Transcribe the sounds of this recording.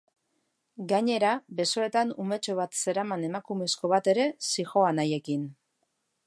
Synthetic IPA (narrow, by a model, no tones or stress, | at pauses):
ɡaɲe̞ɾabe̞so̞e̞t̪anume̞t͡ʃo̞β̞at̪se̞ɾamane̞makume̞sko̞β̞at̪e̞ɾe̞sixo̞anaje̞kin